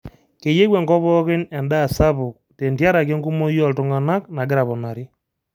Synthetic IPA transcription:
ke˨je˦wɛ˨ŋɡɔ˦βɔ˦ɣɪ˦nɛ˨nda˦˨sa˦βʊ˨k̚te˨ntja˦ɾa˨ke˦ŋɡu˦mo˦jɔ˦ltʊ˨ŋa˨na˦kna˨ɡɪ˦ɾa˨βɔ˨na˨ɾi˦

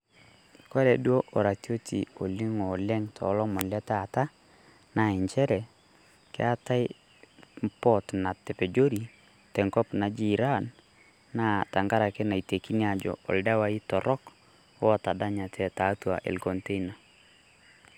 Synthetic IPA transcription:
ko˦ɾɛ˨dwo˦ʔo˨ɾa˨tjo˦tʰḭ˨o˨li˦ŋo˨lɛ˦ŋtʰɔ̰˨˦lɔ˦mɔ˨nlɛ˦ta˨ta˦ | na˨ɛ˨ɲt͡ʃɛ˦ɾɛ˨ | kɪ̰˦a˦ta˦j | mpɔ˦tna˨te˨pe˨d͡ʒo˦ɾi˨ | tɛ˨ŋkɔ˦pna˨d͡ʒi˨ɾa˦nː | a˦ta˨ŋɡa˦ɾa˨kɛ˦na˨i˨te˨ki˦nia˨d͡ʒɔ̰˨ɔ̰˨lda˦wa˨˦i˦tɔ˨ɾʔɔ˦k | ɔ˦˨ta˨da˦ɲa˨tʰɛ˨ta˨˦twa˨ʔḛ˨lkɔ˨nte˦ina˨

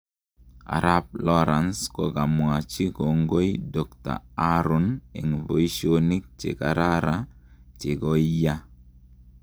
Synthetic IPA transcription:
a̰˨ɾa˦b̚lɔ˦ɾa˨nskɔ˨ɡa˨mwa˨t͡ʃi˦ko˨ŋɡo˦jdɔ˨kta̰˨a˦ɾɔ˨ne˨ŋvo˨i˦ʃo˦ni˦k̚t͡ʃḛ˨ka˨ɾa˦ɾa˦t͡ʃe˨ɡo˦ija˦

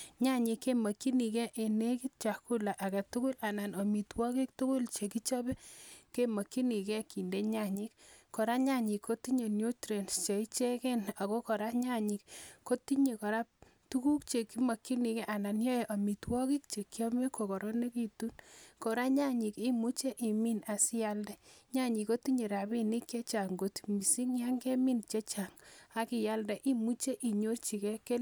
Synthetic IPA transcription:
ɲa˦ɲi˨kːe˦ma˨kːi˦ni˨kɛ˦ʔe˨ne˦ki˦t͡ʃa˨ku˦la˨ʔa˨ka˨tu˦kʊ˦la˨na˨no˨mi˨twɔ˦ki˦k̚tu˦kʊ˦lt͡ʃe˨ki˦t͡ʃɔ˦be˦ke˦ma˨kːi˦ni˨kɛ˦ki˨nde˦ɲa˦ɲi˦kːɔ˨ɾa˦ɲa˦ɲi˨kʰːo˦ti˦ɲe˨njo˦tɾe˨nst͡ʃe˨i˦t͡ʃe˦kɛ˦na˨ko˦kɔ˨ɾa˦ɲa˦ɲi˨kko˦ti˦ɲe˨kɔ˨ɾa˦p̚ | tu˦ku˦kt͡ʃe˨kːi˦ma˨kːi˦ni˨kɛ˦ʔa˨na˨njɔ˦je˨ʔa˨mi˨twɔ˦ki˦k̚t͡ʃe˨kːi˦ɔ˦me˦ko˨kɔ˨ɾɔ˦ne˦ki˨tu˦nkɔ˨ɾa˦ɲa˦ɲi˨ki˦mu˦t͡ʃe˦ʔi˨mi˦na˨si˦ja˦ldɛ˦ɲa˦ɲi˨ko˦ti˦ɲe˨ɾa˨bi˦ni˦kje˦t͡ʃa˨ŋɡo˦tmi˨si˦ŋja˦ŋɡe˦mi˦nt͡ʃe˦t͡ʃa˨ŋa˦ki˨ja˦ldɛ˨ʔi˦mu˦t͡ʃe˦ʔi˨ɲo˦rt͡ʃi˨kɛ˦ke˦l

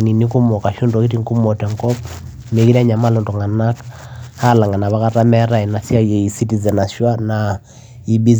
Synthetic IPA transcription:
ni˨ni˦ku˦mɔ˨ka˨ʃu˦ndɔ˨ki˦ti˦ŋku˦mɔ˨tɛ˨ŋkɔ˦p | ne˨ki˦ɾa˦ɲa˨ma˦lɔ˨ntɔ˨ŋa˨na˦k | ha˦la˨ŋa˨na˨βa˦ka˦ta˦mɛ˦ɾa˨ɛ˨na˨si˦a˦jɛ˨i˨si˦ti˨zɛ˨na˨ʃwa˦na˨ | i˨bi˦

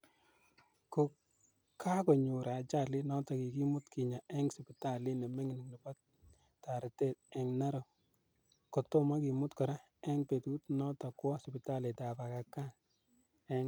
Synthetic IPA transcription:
ko˨ | ka˦kɔ˨ɲu˨ɾa˨t͡ʃa˦˨li˦nɔ˦tɔ˨ki˨ki˦mʊ˦tki˨ɲa˨ɛ˦ŋsi˨pɪ˨ta˦˨li˦ne˨me˦ŋ˨n˨ŋni˨bɔ˦t | tːa˨ɾɪ˨te˦˨tɛ˨ŋna˦ɾo˨ | kɔ˨to˦ma˦ki˨mʊ˦tkɔ˨ɾa˦ | ɛ˦ŋpe˨tu˦tnɔ˦tɔ˨kwɔ˦spɪ˨ta˦le˨ta˨pa˨ka˨kːa˦˨ | ɛ˦ŋ

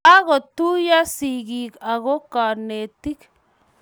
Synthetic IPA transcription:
a˦ɣɔ˨t̪u˦ja˦si˨ɣi˨ka˨ɣɔ˦ka˨ne˨ti˦k

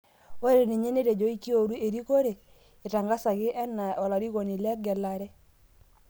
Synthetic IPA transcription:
wɾe˨ne˨ɲe˦ne˦ɾe˨d͡ʒɔ˦i˦kːi˦o˨ɾu˦e˨ɾi˦ko˦ɾe˨ | ɪ˨ta˨ŋɡa˦sa˨ɡɪ˦ʔɛ˦na˨ɔ˨la˨ɾi˦ɣo˨ni˨lɛ˦ɡɛ˨la˨ɾɛ˦

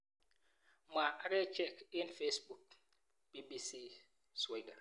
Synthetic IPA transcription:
ma˨a˦ɾɛ˦t͡ʃɛ˦˨ki˦nfe˦sbu˨k̚ | b̥i˦bi˦si˦ | swa˦jda˨ɾ

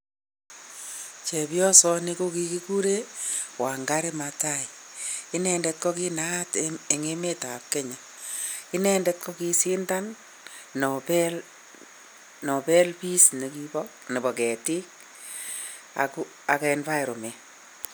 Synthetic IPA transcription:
t͡ʃe˨pjɔ˦sɔ˦ni˦ko˦ki˦ki˦ku˦ɾe˦wa˨ŋɡa˦ɾi˦ma˨ta˦i˨ɪ˦nɛ˨ndɛ˨t̚kɔ˦ki˦na˦te˨ŋe˦me˦ta˨p̚ke˦ɲɛ˨ | ɪ˦nɛ˦ndɛ˦t̚kɔ˦ki˦sɪ˦nta˦nː | ɔpɛ˦l | nɔ˨pɛ˦lpi˦sni˨ki˦bɔkne˨bɔ˨kɛ˨tɪ˦k̚ | a̰˨ku˦ | a˨kɛ˧nfa˦jɾo˨me˨

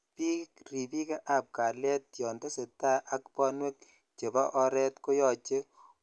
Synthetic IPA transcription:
pi˦kri˨pi˦ke˦ʔa˨p̚ka˨lɛ˦tjɔ˨nde˦se˨ta˦ʔa˦kpɔ˦nwɛ˦k̚ | t͡ʃe˨bɔ˦ʔɔ˦ɾɛ˦tko˦jɔ˨t͡ʃe˦

